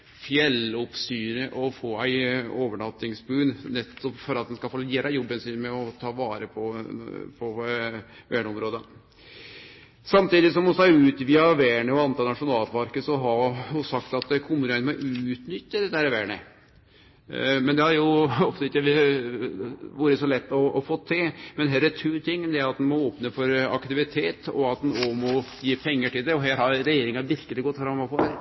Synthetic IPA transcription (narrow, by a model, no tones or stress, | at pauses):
fjɛlɔpsyːɾəʔɔfoːæɪoːʋəɳɑt̪ːɪŋsbʉːnnɛt̪ːɔpfɔɾɑt̪̚d̪ɛnskɑlfoːlɪeːɾɑjɔbːənsɪnmɛɔt̪ʰɑːʋɑːɾəpʰɔpʰɔ | ʋæːɳəɔmɾoːd̪ə | sɑmt̪iːd̪ɪsɔmɔsɔæʉːt̪ʋiːɑʋeːɳəɔɑnt̪ʰɑːlnɑʂʊnɑːlpʰɑɾkəsɔɦɑɔsɑkt̪ɑt̪kʰʊmːənɛnmɔʔʉːt̪nʏt̪ːəd̪ɛt̪ːəæɾɛʋæːɳə̰ | mɛnd̪ɛhɑɾjʊɔft̪əɪkːəʋ | ʋuːɾəsɔlɛt̪ːɔʔɔfoːt̪ʰːɪlmɛnɦɛlːət̪ʰɾʉːɾt̪ʰɪŋːd̪ɛæɾɑt̪̚d̪ɛnmɔoːpnəfɔɾɑ̰kt̪ɪʋɪt̪ʰeːt̪ɔ̰ɑt̪d̪ɛnomɔjiːpʰɛŋːəʈɪld̪ɛɔɦæːɾhɑɾɾɛjeːɾɪŋɑʋɪɾkəlɪɡɔt̪ːfɾɑmːɑfɔɾ